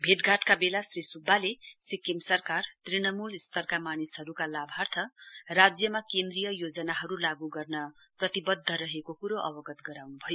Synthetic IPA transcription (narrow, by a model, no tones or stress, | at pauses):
bʱeʈɡʱaʈkabelasrisubːalesikimsʌrkart̪rinʌmulist̪ʌrkamanisɦʌɾukalabʱart̪ʰʌrad͡zjʌmakend̪rijʌjod͡zʌnaɦʌɾulaɡuɡʌrnʌ | prʌt̪ibʌd̪ʱːʌɾʌɦekokuɾoʔʌbʌɡʌt̪ɡʌɾawnubʱʌjo